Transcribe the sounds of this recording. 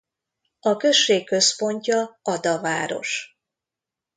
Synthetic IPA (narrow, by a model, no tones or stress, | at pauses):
ɒkø̞ʃːeːkːø̞spo̞ɲcɒɒd̪ɒvaːɾo̞̰ʃ